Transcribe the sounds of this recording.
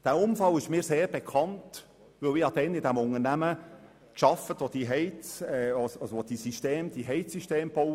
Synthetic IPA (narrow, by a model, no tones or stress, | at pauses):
d̥æːʊmfɑlɪʃmiːɾseːɾb̥ekʰɑnt | vɵlɪɑd̥̪ɛnɪdæmʊŋəɾnæmə | kʃɑfətʋod̥̪iɦɛɪt͡sɛsɑsʋod̥isiʃteːmd̪̥iɦɛɪsiʃteːmb̥oʊ